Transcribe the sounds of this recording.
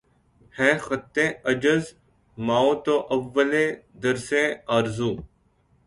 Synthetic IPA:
hɛ̃ːxət̪ːẽːəd͡ʒəz | maːõːt̪oːʔəʋːəlẽː | d̪əɾsẽːaːɾzũː

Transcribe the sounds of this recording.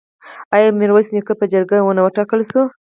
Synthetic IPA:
ɑjɑmiɾwajsnikəpəd͡ʒaɾɡawənawəʈɑkəlsu

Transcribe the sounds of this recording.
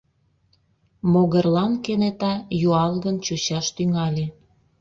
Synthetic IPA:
moɣərlɑnkenet̪ɑjuɑlɣənt͡ɕuɕɑʃt̪yŋɑlʲe

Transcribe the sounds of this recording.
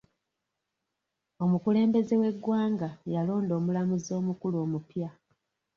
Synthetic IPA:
o̞mukule̞ːmbe̞ze̞we̞ɡːwaːŋɡajalo̞ːndo̞ːmulamuzo̞ːmukulo̞ːmupja

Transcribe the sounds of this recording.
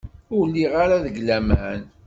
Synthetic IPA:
ʊɾlːiʁaɾaðəɡlæmæn

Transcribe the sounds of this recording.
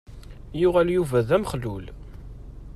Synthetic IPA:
jʊʁæljuvæðæmχlul

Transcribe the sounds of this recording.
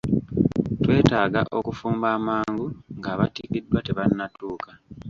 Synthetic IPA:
twe̞ːtaːɡa̰ʔo̞kufuːmbaːmaːŋɡuŋɡaːβatiːkidːwateβanːatuːka

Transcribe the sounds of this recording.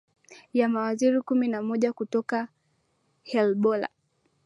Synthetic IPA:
jamawaziɾikuminamɔʄakutɔka | hɛlɓɔla̰

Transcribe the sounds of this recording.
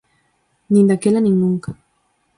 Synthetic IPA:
nind̪akelaniŋnuŋkḁ

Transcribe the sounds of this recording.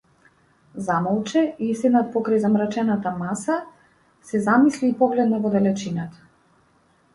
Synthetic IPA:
zamɔlˠt͡ʃɛisɛd̪nat̪̚pɔkɾajzamɾat͡ʃɛnat̪amasa | sɛzamisliːpɔɡlɛd̪navɔd̪ɛlɛt͡ʃinat̪ḁ

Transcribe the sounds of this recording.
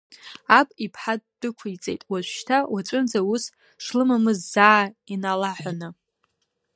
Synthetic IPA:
apʼipʰħad̚d̥ɨkʷʰajt͡sʼe̞jtʼwaʒʷʃtʰawat͡ʃʷʼʊnd͡zaus | ʂlɨmamɨzːaːainalaħʷanɨ

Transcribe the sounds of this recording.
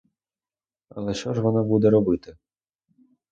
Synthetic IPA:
ɐ̰lˠɛʃt͡ʃɔʐʋɔnabud̪ɛɾɔbɪt̪ɪ

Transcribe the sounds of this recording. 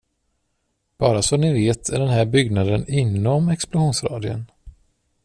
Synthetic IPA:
b̥ɑːɾasɔmnɪveːt̪ʰæɖɛnɦæɾbʏɡnad̪ənɪnːɔmɛksplʊɧuːnsɾɑ̰ːd̪ɪə̰n

